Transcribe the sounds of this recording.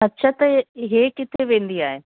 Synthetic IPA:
ɐtːɕʰat̪ɐɦekɪt̪ʰeʋẽːnd̪iaːɦeː

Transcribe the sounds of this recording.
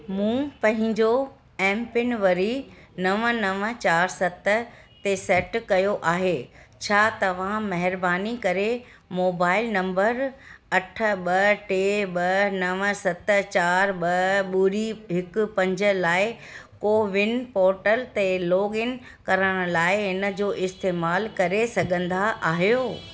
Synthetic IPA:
mũːpɐ̃ɦɪ̃ɲd͡ʑo | ɛ̃ːmpɪnʋɐɾi | nɐʋənɐʋət͡ɕaːɾsɐt̪ə | t̪esɛːʈkɐjoʔaːɦeːt͡ɕʰaːt̪ɐʋ̤ãmɐɦɪɾbaːnikɐɾe | moːbaːɪlnɐ̃mbəɾɐʈʰə̆ɓɐʈeːɓɐnɐʋə̆sɐt̪ət͡ɕaːɾɓɐɓʊɾiɦɪkʊ̆pɐ̃ɲd͡ʑə̆laːɪ | koːʋɪnpɔːɾʈəlt̪eloːɡɪn | kɐɾəɽ̃ʊ̆laːɪɦɪnə̆d͡ʑoːʔɪst̪eːmaːlkɐɾesɐɡʱə̃nd̪aʔaːɦijoː

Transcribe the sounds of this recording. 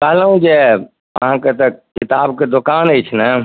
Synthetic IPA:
kaːləũd͡ʒe | ɐɦãːket̪ɐkɪt̪aːbked̪ʊkaːnet͡ʃʰnə

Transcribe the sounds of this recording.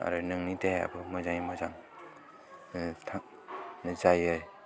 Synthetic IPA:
a̰ɾɯnɯŋnitea̰bɯmɯzaŋimazaŋ | tʰa | nzajɯj

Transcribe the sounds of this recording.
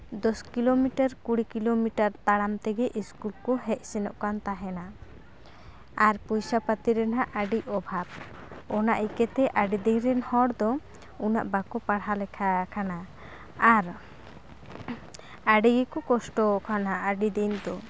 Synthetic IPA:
d̪ɔskilomiʈaɾkuɽikilomiʈaɾt̪aɽamt̪ɛɡɛʔiskulkɔɦɛc̚sɛnɔʔkant̪aɦɛna | aɾpɔjsapat̪iɾɛnɦaʔaɖiɔbʱab̚ | ɔna̰ʔikɛt̪ɛʔaɖid̪ɛjɾɛnhɔɽd̪ɔ | una̰ʔbakɔpaɽalɛkʰakʰana | aɾ | aɖiɡɛkɔkɔsʈɔkʰanaaɖid̪ɛnd̪ɔ

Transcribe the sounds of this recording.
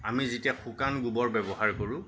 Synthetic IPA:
amizitiɛxʰukanɡubɔɹbɛbɔɦaɹkoɹʊ̃

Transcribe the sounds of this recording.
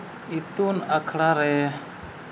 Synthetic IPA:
it̪unakʰɽaɾɛ

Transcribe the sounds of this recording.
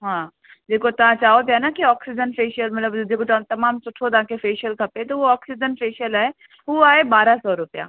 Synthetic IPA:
ɦãː | d̪eːkʰot̪ɐãt͡ʃaːop̪janakiɔːksɪd͡ʒənfeːʃəlmɐt̪ləbd̪eːkʰot̪ɐt̪ɐmaːmsʊʈʰod̪ãːkefeːʃəlkʰɐpẽt̪oʋoɔːksɪd͡ʒənfeːʃəlɦɛ | ɦoaːebaːɾasɔːɾʊpja̰ː

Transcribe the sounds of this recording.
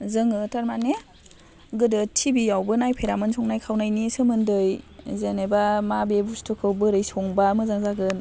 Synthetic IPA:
zɯŋɯtaɾmane | ɡɯdɯtʰibijawbɯnajpʰeɾamɯnsɔŋnajkʰawnajnisɯmɯndɯjzenebamabebustʰɯkʰɯwbɯɾɯjsɔŋbamɯzaŋzaɡɯn

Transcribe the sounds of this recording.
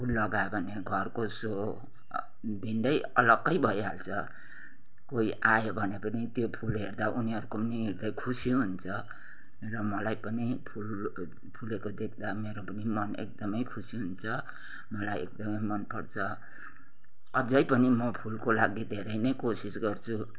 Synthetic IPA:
pʰulːʌɡajebʱʌneɡʱʌrkoso | b̪ʱinɖʌjʌ̰lʌɡːʌjbʱʌjɦa̰lt͡sʰʌ | koiʔajobʱʌnepʌnit̪jopʰulɦeɾd̪aʔuniɦʌɾukoniɦiɾd̪ʌjkʰusiɦunt͡sʰʌ | rʌmʌlajpʌnipʰul | pʰulekod̪ekʰd̪ameɾopʌnimʌnḛk̚d̪ʌmʌjkʰusiɦunt͡sʰʌ | mʌlajḛk̚d̪ʌmʌjmʌnpʌɽt͡sʰʌ | ʌd͡zʌjpʌnimʌpʰulkolaɡid̪ʱeɾʌjnʌjkosisɡʌrt͡sʰu

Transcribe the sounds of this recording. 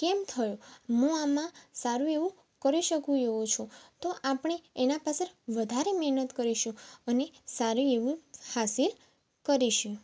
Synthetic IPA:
kemt̪ʰəjũɦũamãsaɾũeʋũ | kəɾiʃəkũeʋũt͡ʃʰũt̪oʔapɳ̃eenapasəɾʋəd̪ʱaɾemɛɦnət̪kəɾiʃũənesaɾueʋũhasil | kəɾiʃũ

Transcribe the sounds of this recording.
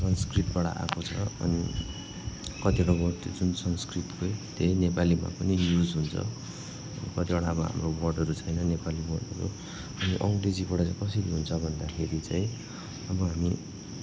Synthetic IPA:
sʌnskripʈ̚baɽa̰ʔa̰kot͡sʰʌʌ̰nḭ | kʌt̪iɽawʌt̪d͡zunsʌnskrit̪kot̪enepalima̰pʌnijud͡zɦunt͡sʰʌ̰ | ʌnikʌt̪ibaɽaːbʌɦa̰mrowʌrɖʌɾut͡sʰʌjnʌnepalimʌ̰nʌ̰ɾo̰ | ʌniʔʌŋɡred͡zibʌɽʌt͡saj̃kʌseɾiɦunt͡sʰʌbʱʌnd̪akʰeɾit͡sãj̃ | ʌbʌɦami

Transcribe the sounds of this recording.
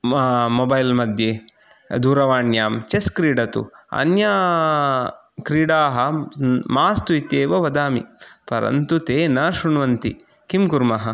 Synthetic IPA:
mobɐjlmɐd̪ʱjeː | d̪uːɾɐʋaːɳjaːmt͡ʃeskɾiːɖɐt̪ṵɐ̰nja | kɾiːɽaːɦɐmaːst̪uit̪eːʋɐʋɐd̪aːmḭpɐɾɐ̰nt̪ut̪eːnɐʃuɳʋɐnt̪ḭ | kimkuɾmɐɦɐ

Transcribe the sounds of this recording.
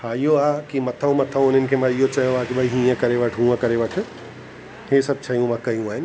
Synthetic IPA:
hãijoaːkimɐt̪ʰəõmɐt̪ʰəõʊn̤ənɪ̆kʰeːmãijot͡ɕɐjoaːkibʱɐiɦĩːə̃kɐɾeʋɐʈʰɦũːə̃kɐɾeʋɐʈʰʊ̆ | ɦesɐb̚t͡ɕʰɐjũmãkɐjũaːɦɪnɪ

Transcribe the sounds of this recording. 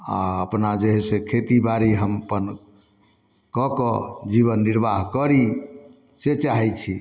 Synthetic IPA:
a̰əpnad͡ʒeɦɛsẽkʰet̪ibaɾiɦəmpən | kɔkɔd͡ʒiβənːiɾbaɦkəɾi | set͡ʃaɦɛt͡ʃʰi

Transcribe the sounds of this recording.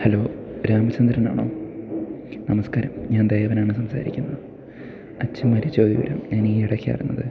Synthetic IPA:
hɐlo̞ːɾaːmɐt͡ɕːɐnd̪ɾɐna̰ːɳo̞̰ː | nɐmɐskaːɾɐmɲaːnd̪ejɐʋɐnaːɳɨsɐmsa̰ːɾḭkʲːunːɐðɨ | ɐt͡ɕːɐmːɐɾit͡ɕːoːðḭʋɐ̰ɾɐ̰mɲaːniiɽɐkʲːija̰ːjɾunːɐðɨ

